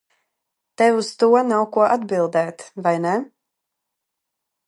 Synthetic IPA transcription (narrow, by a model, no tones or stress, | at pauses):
t̪ɛvust̪uɔnawkuɔʔad̪bilˠd̪ɛːt̪vajnɛ